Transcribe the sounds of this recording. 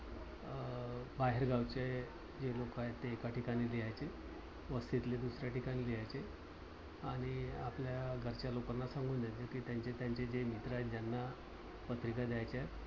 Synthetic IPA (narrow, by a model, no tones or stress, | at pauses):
baɦeɾɡawt͡ɕe | d͡ʑelokaɦett̪ːeːkaʈikaɽ̃iːliɦajt͡se | ʋəst̪it̪led̪usɾjaʈikaɽ̃iːliɦajt͡se | aɽ̃iapljaɡʱəɾt͡ɕjalokənːasãŋɡʱuːnjad͡ʑekiːt̪jaɲt͡ɕet̪jaɲt͡ɕed͡ʑemit̪ɾaɦet̪̚d͡ʑjanːa | pət̪ɾikad̪jajt͡ɕet̪